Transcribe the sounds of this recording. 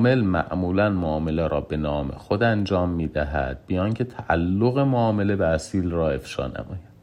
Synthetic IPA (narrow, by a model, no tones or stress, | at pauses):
me̞lmæ̰ʔmuːlænmoɒːme̞leɾʔɒːbe̞nɒːme̞̰xod̪ænd͡ʒɒːmːiːd̪æɦæ̰d̪̥̚bijɒːŋcʰe̞t̪ʰæʔælːoɣe̞moɒːme̞le̞beæsiːlrɒːe̞fʃɒ̰ːnæ̰mɒːjæd̪̥